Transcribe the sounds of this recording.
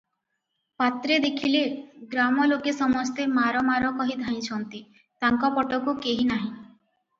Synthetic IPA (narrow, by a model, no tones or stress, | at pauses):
pat̪ɾed̪ekʰileɡɾamɔlokesɔmɔst̪emaɾɔmaɾɔkɔɦid̪ʱaj̃t͡ʃʰɔnt̪i | t̪aŋkɔpɔʈɔkukeɦinaɦĩ